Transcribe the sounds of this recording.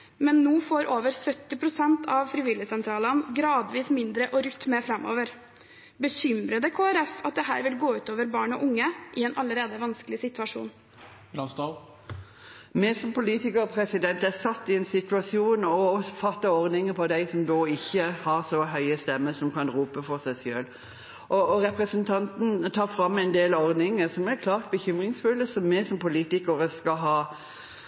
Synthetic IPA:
mɛnːuːfoːɾʔoːʋəɾsœt̪ːɪpʰɾʊsɛnt̪ʰɑʋfɾɪʋɪləsɛnt̪ʰɾɑːlɑnɡɾɑːd̪ʋiːsmɪnd̪ɾəʔɔɾʉt̪ːmeːfɾɛmʔo̰ːʋəɾ | bəɕʏmɾəd̪əkʰoːæɾɛfɑt̪̚d̪ɛɦæ̰ːɾʋɪlɡoːʉːt̪oːʋəɾbɑːɳɔ̰ʔʊŋːəʔɪɛnʔɑləɾeːd̪əʋɑnskəlɪsɪt̪ʉɑʂṵːn | ɑst̪ɑ | mɛsɔmpʊliːt̪ɪkəʁpʰɾɛsɪd̪ɛnt̪æsɑt̪ːɪɛnsɪt̪ʉɑsjuːnɔfɑt̪ːɑɔʁd̪ɪŋəpʰɔd̪æɪsɔmd̪oːɪçːəhɑʁsɔɦœʏəst̪ɛmːəsɔmkɑnɾuːpəfɔʁsæɪsjø̰ːl | ʔɔɔɾɛpʁəsənt̪ʰɑnt̪n̩t̪ʰɑːfɾɑmːɛɪnd̪eːlɔʁd̪ɪŋəsɔmæɾkʰlɑːʁt̪̚bəçʏmʁɪŋsfʉlːəsɔmːɛsɔmpʰʊliːt̪ɪkəɾəskɑɦɑː

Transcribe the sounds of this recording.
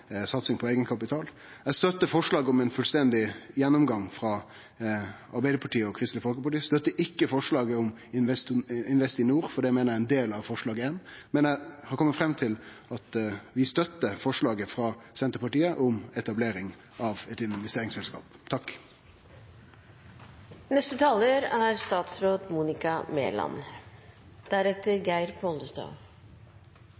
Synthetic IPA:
sɑt̪sɪŋpʰɔeɪɡənkʰɑpɪt̪ʰɑːl | æst̪œt̪ːəfɔʂɭɑːɡəɔmɛɪnfʉlst̪ɛnd̪ɪjɛnːʊmɡɑŋfɾɑ | ɑɾbæɪd̪əɾpʰɑʈʰiːəɔkʰɾɪst̪ləfɔlkəpɑʈiːst̪œt̪ːəʔɪkːəfɔʂɭɑːɡəɔmʋɛst̪ɪnʋɛst̪ɪnuːɾfɔɖɛæmeːnəɾjæɛnd̪eːlɑʋfɔʂɭɑːɡəenmɛnæhɑɾkʰɔmːət̪fɾɛmːt̪ʰɪl | ɑt̪ʋɪst̪œt̪ːəfɔʂɭɑːɡəfɾɑːsɛnt̪əpɑʈiːəʔɔmɛt̪ɑbleːɾɪŋ | ʔɑʋɛt̪ɪnʋɛst̪eːɾɪŋsɛlskɑ̰ːpt̪ʰɑk | nɛst̪ət̪ʰɑːləɾæɾst̪ɑːt̪sɾoːd̪muːnɪkɑmḛːlɑ̰n | d̪̥æɾɛt̪ːəɾɡæɪɾpʰɔld̪əst̪ɑ̰ːʋ

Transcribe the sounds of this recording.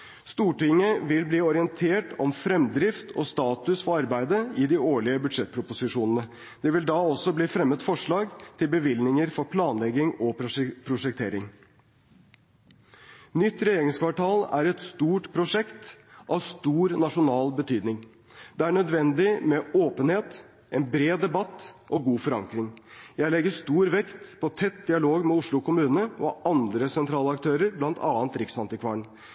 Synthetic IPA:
st̪uːʈɪŋːəʋɪlbliːɔɾɪənt̪ʰeːʈɔmfɾɛmd̪ɾɪft̪ʰɔ̰st̪ɑːt̪ʉsfɔɾɑɾbæɪd̪əɪd̪ɪoːɭɪəbʉd̪ʂɛt̪̚ːpʰɾʊpʊsɪʂuːnənə | d̪̥ɛʋɪld̪ɑːɔsɔbliːfɾɛmːət̪fɔʂɭɑːɡt̪ʰɪlbəʋɪlnɪŋəɾfɔɾpʰlɑːnlɛɡɪŋɔppʰɾʊʂɛk̚t̪ʰeːɾɪŋ | nʏt̪ːɾɛjeːɾɪŋskʰʋɑʈʰɑːlæɾɛt̪st̪uːʈpʰɾʊʂɛkt̪ʔɑʋst̪uːɾnɑʂʊnɑːlbət̪ʰyːd̪nɪŋ | d̪ɛæɳœd̪ʋɛnd̪ɪmɛoːpənheːt̪ | ʔɛnbɾeːd̪ɛbɑt̪ːʔɔɡuːfɔɾɑ̰ŋkɾɪŋjæɪlɛɡːəʂt̪uːɾʋɛkt̪pʰɔt̪ʰɛt̪̚d̪ɪɑloːɡmɛʊʂɭʊkʊmʉːnnəɔɑnd̪ɾəsɛnt̪ʰɾɑːləɑkt̪ʰøːɾəɾblɑnt̪ʰɑːnt̪ɾɪksɑnt̪ɪkʰʋɑːɳ

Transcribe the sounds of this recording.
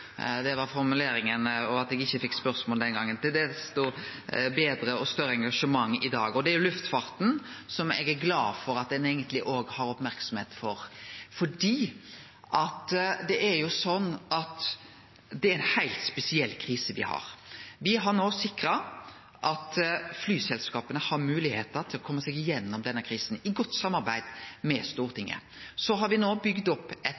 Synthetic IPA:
d̪ɛʋɑɾfɔɾmʉleːɾɪŋənɔɑt̪ɛɡɪçːəfɪkːspœɾsmoːld̪ɛnɡɑŋːənt̪ɪld̪ɛst̪ɔbeːd̪ɾəɔst̪œɾːəɛŋɡɑʂəmɑŋːɪd̪ɑ̰ːɡɔd̪ɛæɾjʊlʉft̪fɑːɾt̪n̩sɔmɛ̰ɡæɾɡlɑːdfɔɾɑt̪̚d̪ɛneːɡənt̪lɪʔoːɡhɑɾɔpmæɾksɔmheːt̪fɔɾfɔɖiː | ʔɑt̪d̪ɛʔæɾjʊsɔnːɑt̪ | d̪ɛæɾɛnhæɪlt̪spɛsɪɛlːkʰɾiːsəʋɪ̰hɑ̰ɾʋɪɦɑɾnoːsɪkɾɑ | ʔɑt̪flyːsɛlskɑːpənəhɑɾmʉːlɪheːt̪əɾt̪ʰɪlɔkʰɔmːəsɛɡɪjɛnːɔmd̪ɛnːəkʰɾiːsnɪɡɔt̪ːsɑmːɑɾbæɪd̪mɛst̪uːɾt̪ʰɪŋːə̰ | sɔɦɑɾʋɪnoːbʏɡd̪ɔpːɛt̪

